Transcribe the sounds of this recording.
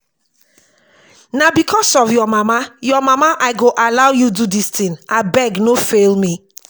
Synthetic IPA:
nabikʰɔsɔvjɔmamajɔmamaʔaɪɡoʔalawjududist̪ĩnabɛɡnofelmi

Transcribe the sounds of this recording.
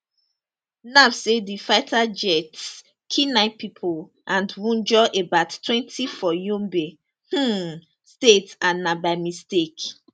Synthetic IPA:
navsedifaɪtʰad͡ʒɛts | kʰinaɪpipʰol | ʔãndwũnd͡ʒɔʔebattːwɛ̃ntʰifɔjũmbe | h̩ | stetanabaɪmistek

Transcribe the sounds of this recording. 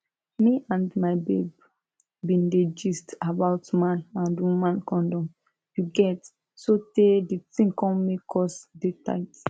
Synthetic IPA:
miʔãndmaɪbḛb | bĩnɹed͡ʒistabaʊtmãnãndwumãnkɔ̃ndɔ̃m | juɡɛt | soteditĩŋkɔ̃nmekʰɔsdeta̰ɪt

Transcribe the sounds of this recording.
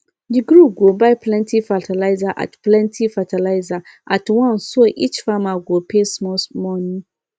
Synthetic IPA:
d͡ʒiɡɾuɡobaɪpʰlɛ̃ntʰifatʰalaɪzaʔa̰tplɛ̃ntʰifatʰalaɪza | ʔatwãnsoʔit͡ʃfamaɡopʰesmɔsmɔnĩ

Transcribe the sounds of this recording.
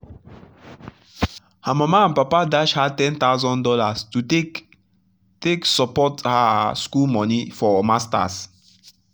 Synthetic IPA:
hamamaãnpapadaʃhatɛ̃nt̪aʊzɔ̃ndɔlastu | teksɔpɔthaskulmɔ̃nifɔmasta̰s

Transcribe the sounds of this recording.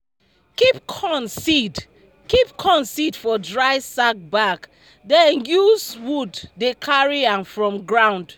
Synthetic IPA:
kip̚kʰɔ̃nsid | kipkʰɔ̃nsidfɔdɹaɪsak̚bak | dɛ̃njuswudːekʰaɹiãnfɹɔ̃mɡɹãʊ̃nd

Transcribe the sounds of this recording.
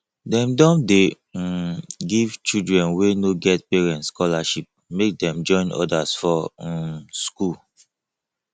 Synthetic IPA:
dɛ̃mdɔ̃nde | ɡivt͡ʃidɹɛ̃nwenoɡɛt̚pɛɹɛ̃ntskɔlaʃip̚mek̚dɛ̃md͡ʒɔ̃ɪ̃nɔ̰dasfɔ | skul

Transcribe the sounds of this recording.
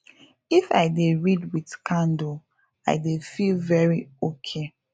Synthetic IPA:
ifa̰ɪdeɹidwitkʰãndo | a̰ɪdefilvɛɹiokʰe

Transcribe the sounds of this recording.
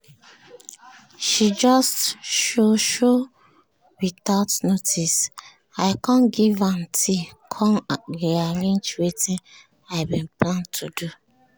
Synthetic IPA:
ʃid͡ʒɔstʃoʃo | witaʊtnotʰis | aɪkãnɡivãntʰikʰɔ̃nɡeaɾĩnt͡ʃweti | aɪbĩnplãntʰudu

